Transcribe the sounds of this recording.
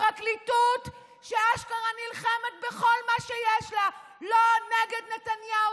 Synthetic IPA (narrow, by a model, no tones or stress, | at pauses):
aklitut̪ | ʃeaʃkaʁanilχemet̪̚beχo̞lmaʃejeʃla | loneɡed̪net̪anja